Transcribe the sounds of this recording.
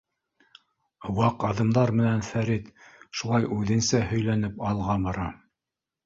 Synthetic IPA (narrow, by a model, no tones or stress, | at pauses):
wɑqɑðɤ̆md̪ɑɾmɘ̆nænfæɾit̪ʃulˠɑjʉðɘ̆nsæhɵ̆jlænɘpɑlˠʁɑbɑɾɑ